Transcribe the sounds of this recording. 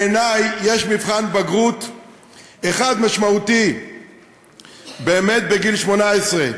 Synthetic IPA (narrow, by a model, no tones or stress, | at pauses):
enajːe̞ʃmivχanbaɡʁut̪ | eχad̪maʃmaut̪i | beːme̞t̪̚be̞ɡilʃmo̞naesʁe